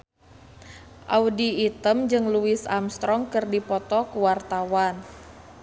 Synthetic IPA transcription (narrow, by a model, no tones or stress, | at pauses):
ʔaudiːt̪əmd͡ʒɨŋluɪsamst̪ɾɔŋkɨrdipɔt̪ɔkuwart̪awan